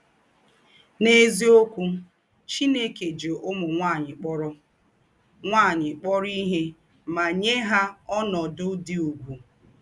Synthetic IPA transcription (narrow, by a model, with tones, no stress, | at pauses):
ne˦zi˦o˦kʷu˦ | t͡ʃi˦ne˦ke˨d͡ʒo˨ʔʊ˦mʊ˨ŋʷa˦˨ɲɪ˨k͡pɔ˦ɾɔ˦ | ŋʷa˦˨ɲɪ˨k͡pɔ˦ɾi˦ɦe˦ | ma˨ɲe˦ɦa˦ɔ˦nɔ˨dʊ˦di˦u˨ɡʷu˨